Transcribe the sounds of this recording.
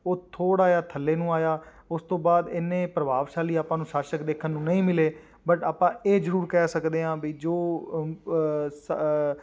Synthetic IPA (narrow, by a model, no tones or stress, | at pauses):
oːt̪ʰoːɽaːjaːt̪ʰəlːeːnũːaːjaː | ʊst̪õːbaːd̪ɪnẽːpɾəbaːʋʃaːliːaːpãːnũːʃaːʃəkd̪eːkʰənːũːnəĩːmɪleː | bəʈaːpãːeːzəɾuːɾkɛːsəkd̪eːãːbiːd͡ʒoː | s